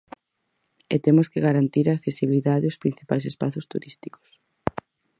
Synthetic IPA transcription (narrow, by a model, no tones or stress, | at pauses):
ḛt̪emʊskeɣaɾant̪iɾaːkθesiβiliðaðɪospɾin̟θipajsespaθʊst̪ṵɾist̪i̥ko̥s